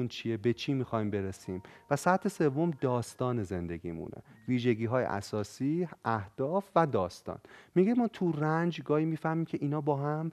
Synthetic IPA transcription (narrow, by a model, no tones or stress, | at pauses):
unt͡ʃʰiebe̞t͡ʃʰiːmixɒːjmbe̞ɾesiːmvæsæt̪ʰːese̞vːo̞md̪ɒːst̪ɒːne̞ze̞nd̪e̞ɟḭːmṵːnʔḛviːʒe̞ɟiːɦɒːjḛʔæ̰sɒːsiːæhd̪̥ɒːfvæd̪ɒːst̪ɒ̰ːnmiɡemɒːt̪ʰurænd͡ʒɡɒːhiːmiːfæhmiːmcʰe̞ʔiːnɒːbɒːɦæm